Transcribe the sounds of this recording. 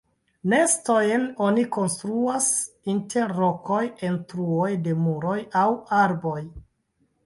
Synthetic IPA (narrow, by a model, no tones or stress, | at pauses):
nestojeno̞niko̞nstɾuas | intʰe̞ɾːo̞kʰo̞je̞ntɾuojde̞muɾo̞jawaɾbo̞j